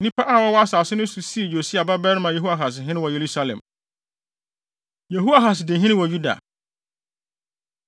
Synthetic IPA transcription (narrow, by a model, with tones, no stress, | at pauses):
nĩ˦pʰa˦ʔa˦˨wɔ˦wɔ˦a˦saː˨sʊ˦nʊ̃˦su˨si˦˨jo˨si˦a˨ba˦bɛ˦ɾmã˨je˨ɦu˦a˦˨ɦa˨s̬ɪ˨ɦɪ̃˦nɪ̃˦wɔ˨je˨ɾu˦sa˦lɛ̰̃˨m | je˨ɦu˦a˨ɦa˨sdɪ̃˨ɦɪ̃˦ɪ̃˦wɔ˨ju˦da̰˨